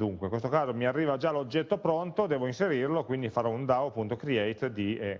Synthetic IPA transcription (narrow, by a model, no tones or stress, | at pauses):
d̪uŋkwekwest̪okaːzomiarːiːvad͡ʒalod͡ʒːɛt̪ːopɾont̪od̪ɛːvoinseɾirlokwind̪ifaɾɔund̪awapːunt̪okɾiɛjt̪d̪iɛ